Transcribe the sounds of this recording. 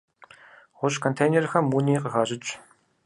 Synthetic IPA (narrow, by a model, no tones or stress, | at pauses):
ʁʷʊɕkʰont̪ʰejnerxɐmːuːniːqəxaːɕɪt͡ʃʼ